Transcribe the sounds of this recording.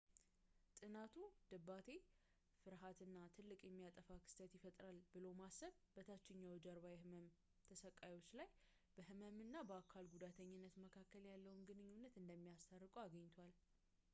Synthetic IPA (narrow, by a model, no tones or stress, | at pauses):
t̪ʼɨnat̪ʰud̪̥ɨbːat̪ʰe̞ | fɨɾɦat̪ɨnːat̪ʰɨlːɨkʼjɛmːijat̪ʼəfakʰɨ̥st̪ʰət̪jɪfət̪ʼɾalbɨlo̞masːəβbət̪ʰat͡ʃːɪɲːawd͡ʒaɾβajɛhɨməm | t̪ʰəsəkʼajwo̞t͡ʃːlaj | b̥əɦɨməmɨnːabəakʰalɡud̪at̪ʰəɲːɪnːət̪məkʰakːəljalːəwunɡɨnɨɲːunːət̪ɨnd̪əmːijast̪ʰarːɨkʼuaɡəɲːt̪ʰowal